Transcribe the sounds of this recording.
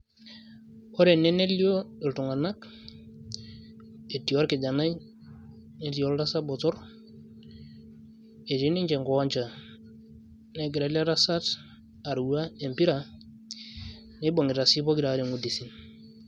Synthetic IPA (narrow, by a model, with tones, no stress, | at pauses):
o˦ɾe˨nːe˦ne˦li˦o˦i˨ltu˨ŋa˨na˦k | e˨ti˨o˦ɾki˨d͡ʒa˨na˦j | ne˦ti˨o˦lɾa˦sa˦bɔ˨tɔ˦ɾ | e˨ti˦ni˦ɲt͡ʃe˨ŋɡo˨a˦ɲt͡ʃa˨ | ne˨ɡi˨ɾa˨la˦ɾa˦sa˦t | a˨ɾwa˦e˨mpi˦ɾa˨ | ne˦bo˨ŋɡi˨ɾa˨si˦bo˦ki˨ɾa˨˦ɾe˨ŋu˨di˨si˨n